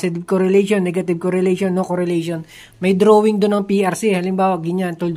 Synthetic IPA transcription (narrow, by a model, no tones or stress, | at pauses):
sɪt̪ɪb̚koɾɛlɛjʃonːɛɡɐt̪ɪb̚koɾɛlɛjʃonːokoɾɛlɛjʃon | mɐjd̪ɾoːwɪŋd̪ʊnːɐŋpiʔɐɾsihɐlɪmbaːwɐɡɪɲant̪uld̪